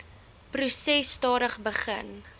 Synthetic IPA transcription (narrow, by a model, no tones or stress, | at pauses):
prusɛstɑːɾəχbəχə̰n